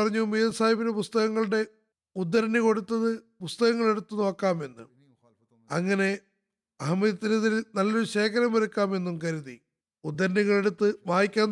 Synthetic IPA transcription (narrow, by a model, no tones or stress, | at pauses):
ɐrɐɲːumijɐsaːjɐbinepust̪ɐɣɐŋːɐɭuɽe̞ | ud̪ːɐɾɐniko̞ɽut̪ːɐðɨ | pust̪ɐɣɐŋːɐɭe̞ɽut̪ːuno̞ːkːaːme̞nːṵm | ɐ̰ŋːɐne̞ | ɐɦɐmɐðɐt̪ːinuðilnɐlːoɾuɕe̞ːkʰɐɾɐmʋɐɾukːaːme̞nːumkɐɾuði | ud̪ːɐɾɐɳiɣɐɭe̞ɽut̪ːɨʋaːjikʲːaːn